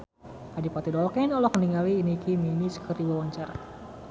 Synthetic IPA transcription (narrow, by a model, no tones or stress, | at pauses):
adipat̪idɔlkɛnɔlɔkəniŋaliːnikiminisə̥kərdiwawaɲt͡ʃaɾa̰